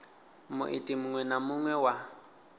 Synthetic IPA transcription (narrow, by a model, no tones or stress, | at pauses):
mʊ̰ʔɪ̰tʼimʊŋwɛnamʊŋwɛwa